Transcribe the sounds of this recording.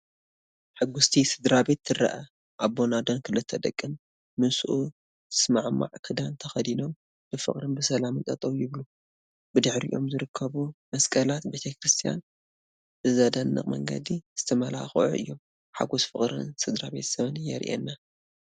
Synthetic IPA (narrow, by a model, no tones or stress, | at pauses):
ħɨɡːʊst̪ʰisɨd̪ɾabe̞t̪ːɨɾɐ̰ʔɐ | ʔaβːo̞nad̪onkʰɨlɨt̪ʰːɐd̪ɐkʼːɨnː | ɨsuʔu | z̥ɨsmaʕma̰ʕkʰɨd̪ant̪ʰɐxɐd̪inom | b̥ɨfɨ̰χʼɾɨnbɨsɐlamɨnt̪ʼɐt̪ʼɐwjɪβlu | b̥ɨd̪ɨħɾḭʔo̞̰mzɨɾɨkʰːɐβumɐskʼɐlat̪be̞t̪ʰɐkɾɨst̪ʰija̰n | b̥ɨzɐd̪ɐnːɨ̰χʼmɐ̰ŋɡɐ̰d̪iz̥ɨt̪ʰɐmɐla̰xʔṵʔɨ̰jːo̞m | ħa̰ɡosfɨχʼɾɨ̰nsɨd̪ɾaβe̞t̪sɐβɨnjɛ̰ɾʔɛ̰nːa